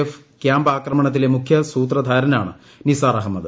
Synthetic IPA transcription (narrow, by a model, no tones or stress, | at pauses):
ef | kjaːmbaːkrɐmɐɳɐt̪ːile̞mukʰjɐsuːt̪̬rɐd̪ʱaːɾɐnaːɳɨ | nisaːrɐɦɐmːɐðɨ